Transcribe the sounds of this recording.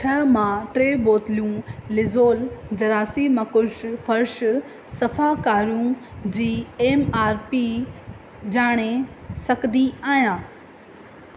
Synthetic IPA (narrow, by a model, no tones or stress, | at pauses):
ʈʰɐmãʈɾeːboːt̪ɪljũlɪzoːld͡ʑɐɾaːsimɐkʊʃfɐɾʃ | sɐfakaːɾjũd͡ʑiːeːmaːɾpi | d͡ʑaːɽ̃esɐkd̪iaːijãː